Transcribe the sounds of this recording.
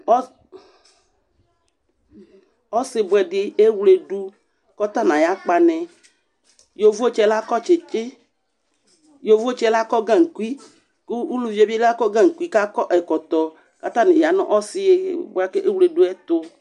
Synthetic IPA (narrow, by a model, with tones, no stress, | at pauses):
ɔ˦ | ɔ˦sɪ˦bʊ˨ɛ˨dɪ˦e˦wle˦du˦ | kɔ˦t̪a˦nã˨ja˦k͡pa˨nɛ̃˨ | jo˨vu˦o˦t͡ʃɛ˦la˦kɔ˦t͡ʃe˨t͡ʃe˦ | jo˨vo˦t͡ʃɛ˦la˦kɔ˦ɡã˦ŋ̩˨ku˦i˦ | ku˦u˦lu˨vi˦e˨bi˦e˦la˦kɔ˦ɡã˦˨ŋ̩˨kʷi˦ka˦kɔ˦ʔɛ˨kɔ˨t̪ɔ˨ | ka˦t̪ã˦nɛ̃˨ja˨nɔ̰̃˦ʔɔ˦sɪ˦je˦bʊ˦a˦ke˦ʔe˦wu˦le˨du˦ɛ˦t̪ʊ˦